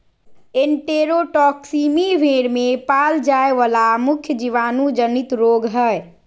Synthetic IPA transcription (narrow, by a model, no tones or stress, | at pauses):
eɳʈeɾoʈɔksimiʋʱeɽmepald͡ʒaeʋalamʊkʰjəd͡ʒiʋaːnud͡ʒənit̪ɾoɡɦɛj